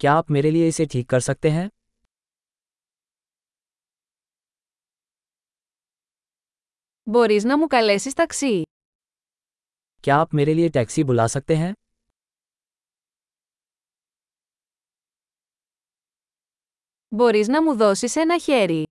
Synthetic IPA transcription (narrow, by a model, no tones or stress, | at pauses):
kjaːpmeːɾelieɪseʈʰiːkːɐɾsɐk̚t̪eɦɛ̃ː | bo̞ɾiznɐmukɐle̞sist̪ɐksi | kjaːpmeːɾelieʈɛːksibulaːsɐk̚t̪eɦɛ̃ː | bo̞ɾiznɐmuðosise̞nɐçeɾi